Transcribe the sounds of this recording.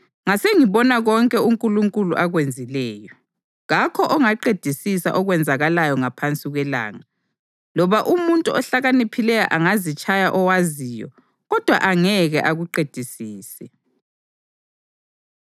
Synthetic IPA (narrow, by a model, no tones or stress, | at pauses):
ŋaseŋiβɔnaɣɔŋkʼɛuŋkʼuluŋkʼuluʔaɣwend͡zʱilɛːjɔ | ɣakʰɔʔɔŋaǃed̥ʱisisa̰ʔɔɣwɛnd͡zʱaɣalajɔŋapʰant͡sʼiɣwɛla̰ːŋa | lɔβaʔumuntʼuɔɬaɣanipʰilɛja̰ʔaŋazit͡ʃʼajaʔɔwazijɔ̰ | ɣɔd̥ʱwa̰ʔaŋɛɣɛʔaɣuǃed̥ʱisiːsɛ